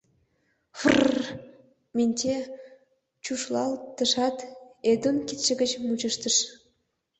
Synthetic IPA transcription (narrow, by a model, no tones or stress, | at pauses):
fr | mʲinʲte | t͡ɕuʃlɑlt̪ə̆ʃɑt̪ed̪ənkit̪ʃə̆ɡət͡ɕmut͡ɕəʃt̪əʃ